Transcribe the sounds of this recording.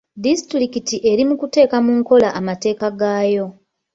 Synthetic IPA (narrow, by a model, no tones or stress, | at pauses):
distɾikitiʔe̞ɾimukute̞ːkamuŋko̞laʔamate̞ːkaɡaːjo̞